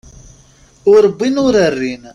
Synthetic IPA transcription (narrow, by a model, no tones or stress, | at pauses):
ʊɾəbːinʊɾərːin